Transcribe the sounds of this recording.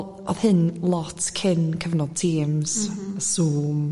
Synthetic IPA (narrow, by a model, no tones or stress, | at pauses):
ɔ̰ðhɪnlˠɔtkʰɪnkʰəvənɔtʰiːmz̥əsuːm